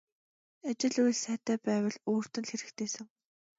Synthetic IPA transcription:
at͡ɕɪ̆ɮujɮsæːt̪æːpæːwə̆ɮoːr̥t̪ɘ̆nxeɾɘ̆kt̪ʰeːsɘ̆ŋ

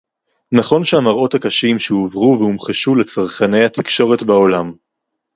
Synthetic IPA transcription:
naχo̞nʃehamaʁo̞thakaʃimʃeuvʁuvehumχeʃule̞t͡saʁχane̞jhat̪ikʃo̞ʁe̞tbao̞lam

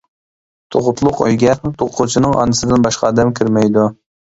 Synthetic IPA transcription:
t̪ʰoʁʊt̪ʰlˠʊqø̰jɡʲɛt̪ʰoqʰut͡ʃʰinɨŋɑ̰nɨsɨd̪ɪnbɑʃqɑːd̪ɛmkʲʰiɾmɛjd̪u

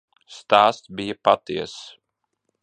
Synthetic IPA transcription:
st̪aːst̪bijapat̪iɛs

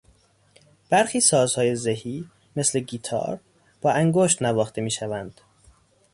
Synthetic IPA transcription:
b̥æɾxiːsɒːzhɒːjezehiː | me̞sleɡiːt̪ʰɒ̰ːɾ | b̥ɒːʔæŋɡoʃt̪nævɒːxt̪ʰemiːʃævænd̪̥

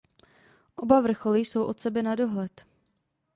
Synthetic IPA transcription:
ʔo̞bavr̩xo̞liso̞wʔot̪sɛbɛnado̞ɦlɛt̪

